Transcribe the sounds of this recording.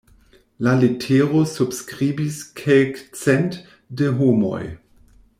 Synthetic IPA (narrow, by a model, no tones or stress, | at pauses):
lalitʰeɾosubskʁibiskʰelkt͡sɛnt | deɦomo̰j